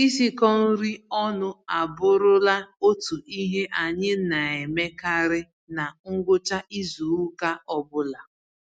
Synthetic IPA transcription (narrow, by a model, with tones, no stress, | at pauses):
i˦si˦kɔ˦n̩˦ɾi˦ɔ˦nʊ˦a˨bʊ˦ɾʊ˦la˦o˦tu˨i˦ɦe˦ʔa˨ɲɪ˦na˨e˨me˦ka˦ɾɪ˦ | na˨ŋ̩˦ɡʷʊ˦t͡ʃa˦ʔi˦zu˨u˦ka˦ɔ˦bʊ˦la˨